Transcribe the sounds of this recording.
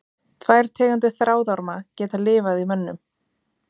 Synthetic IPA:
t̪ʰvaːjɾ̥t̪ʰɛːkant̪ɪθɾʔaːwðaɾmacɛːt̪alɪːvaðimœnːʏm

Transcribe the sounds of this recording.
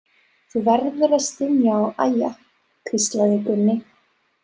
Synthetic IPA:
θuvɛɾðʏɾast̪ɪnjaʔaja | kʰɾist̪vaðɪkʏnːɪ

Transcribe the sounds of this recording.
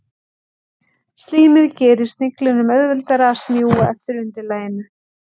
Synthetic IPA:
st̪liːmɪðcɛːɾɪst̪nɪklɪnʏmœðvɛlt̪aɾaasmjuːwaɛ̰ft̪ɪɾʏnt̪ɪlaːjɪna

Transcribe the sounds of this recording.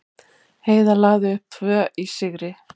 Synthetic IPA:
heːjðalaːɣðɪʏhp̚t̪ʰvœːʔisɪɣɾɪ

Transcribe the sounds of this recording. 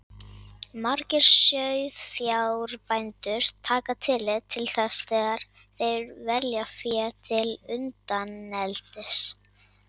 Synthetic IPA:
maɾkcɪɾ̥sœɥðfjaːwɾpajnt̪ʏɾ̥t̪ʰaːkat̪ʰɪlɪðt̪ʰːɪlθɛsθɛːɣaɾ̥θejɾvɛljafjɛt̪ʰɪlʏnt̪anːɛlt̪ɪs

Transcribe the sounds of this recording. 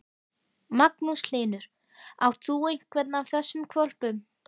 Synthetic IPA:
maknusl̥eːnʏɾ̥ | awθuejŋ̥kʰvɛt̪naːwθɛsːʏmkʰvɔl̥pʏm

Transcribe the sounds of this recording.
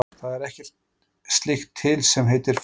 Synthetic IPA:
θaðɛɾɛhcɛr̥t̪̚ | st̪lɪxt̪ʰːɪlsɛmɦejt̪ɪɾ̥f

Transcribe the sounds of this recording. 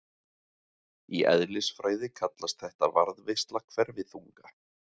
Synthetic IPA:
iʔɛ̰ðlɪsfɾaːjðɪkʰat̪last̪θɛht̪avaɾðvɪst̪lakʰvɛɾvɪðθuŋkḁ

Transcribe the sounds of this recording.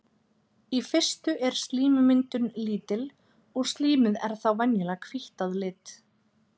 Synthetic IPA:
ifɪr̥st̪ʏʔɛɾ̥st̪liːmʏmɪnt̪ʏnliːt̪ɪl | ɔɣst̪liːmɪðɛ̰ɾ̥θawvɛnjɛlakʰviht̪aðlɪːt̪

